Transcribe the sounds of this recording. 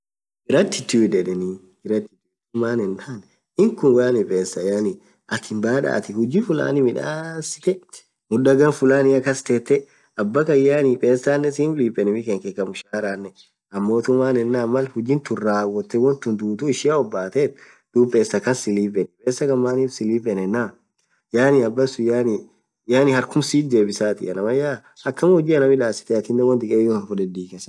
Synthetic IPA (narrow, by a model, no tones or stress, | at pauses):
ɡɪɾɐt̪ːɪt̪ːɪd̪ɛᶑɛni | ɡɪɾɐt̪ːɪt̪ːɪt̪ʊmaːnɛnt̪aːn | ɪŋkʊnwɐjanɪpʼeːsːɐjani | ɐkɪmbaːᶑa̰ːt̪ɪhʊd͡ʒɪfʊla̰ːnɪmɪᶑa̰ːsɪ̥t̪ɛ | mʊᶑɐɡɐnfʊlaːnɪɐkːɐst̪eːt̪ːɛ | ɐbːɐkɐjːaːnipʼe̞ːsaːnːɛsiːnliːpʼːɛnɪmɪkeŋkɛkːɐmʊʃaːɾaːnːɛ | ɐmːoːt̪ʊmːaːnɛnːamːɐlhʊd͡ʒɪnt̪ʊrːaːwɔt̪ːɛwɔnt̪ʊnd̪uːt̪uɪʃɪjaɔbːaːt̪eːt̪ | d̪̥uːpʼeːsɐkɐnsɪliːpʼɛnɛpʼeːsɐkɐmːaːniːfsɪliːpʼːɛnɛnːa | jaːniɐbːɐsʊjaːni | jaːnɪhɐɾkʊmsiːd̪e̞ːbɪsaːt̪ɪ̰ʔɐ̰nɐmɐjaː | ɐkːɐmhʊd͡ʒiːɐnɐmɪᶑaːsɪ̥t̪ɛɐt̪ɪnːɛwɔnt̪ɪkʼeːjɔfɔdɛd̪iːkɛsɐ̥